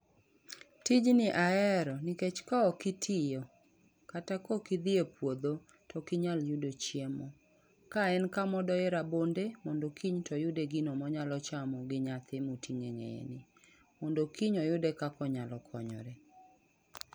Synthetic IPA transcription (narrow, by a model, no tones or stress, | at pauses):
tid͡ʒnɪʔaɛɾɔniket͡ʃkaɔkitʰijɔ | katakɔkid̪ɪepwod̪o | tɔkiɲaljʊdot͡ʃjemɔ | kaɛnkamɔdɔɛɾabondemɔndokʰiɲtɔjʊdeɡinomɔɲalɔt͡ʃamɔɡɪɲat̪ɪmutʰiŋeŋḛḛnɪ | mɔndokiɲɔjʊdekakɔɲalɔkʰɔɲɔ̰ɾɛ